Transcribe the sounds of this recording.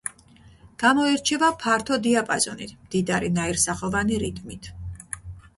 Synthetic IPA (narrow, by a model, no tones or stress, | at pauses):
ɡ̥amɔiɾt͡ʃʰɛvapʰaɾt̪ʰɔd̪iapʼazɔnḭt̪ʰmd̪̥id̪aɾinaiɾsaχɔvaniɾit̪ʼʰmit̪ʰ